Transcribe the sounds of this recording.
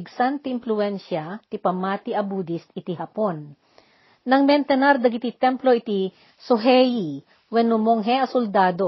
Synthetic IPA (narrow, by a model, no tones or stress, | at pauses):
ɡsant̪ɪɪnplʊɛnʃɐt̪ipɐmaːt̪iʔɐbuːd̪ɪst̪ɪt̪iɦɐponː | ɐŋmɛnt̪ɛnɐɾd̪ɐɡɪt̪it̪ɛmploʔɪt̪i | soɦɛji | wɛnʊmoŋɦɛɐsʊld̪aːd̪o